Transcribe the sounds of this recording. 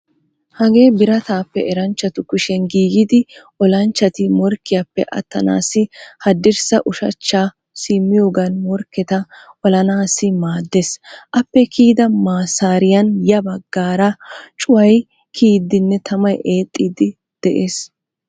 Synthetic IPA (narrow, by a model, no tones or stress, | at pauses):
hɐɡe̞ːbɪɾɐt̪aːpːɛʔɾɐnt͡ʃːɐt̪ʊkʊʃɛnɡiːɡɪd̪ɪʔɔlɐnt͡ʃːɐt̪ɪmɔɾkːɪjapːɛ̰ʔɐ̰t̪ːɐ̰na̰ːsɪhɐd̪ːɪɾsɐ̰ʔʊʃɐ̰t͡ʃːaː | siːmːɪjoːɡɐnmɔɾkːɛt̪ɐʔɔlɐnaːsːɪmaːd̪ːesʔɐpːɛkʰiːd̪ɐmaːsaːɾɪjɐnjɐbɐɡːaːɾɐt͡ʃʼʊwɐj | kʰiːd̪ɪnːɛt̪ʰɐmɐjʔeːt̪ʼːiːd̪ɪ | d̪̥ɛʔeːs